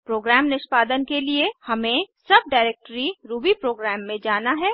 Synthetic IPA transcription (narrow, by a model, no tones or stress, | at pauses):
pɾoːɡɾɛːmnɪʃpaːd̪ənkeliehɐmẽsɐb̚ɖaːɪɾeːk̚ʈəɾiɾuːbipɾoːɡɾɛːmːẽd͡ʒaːnaɦɛː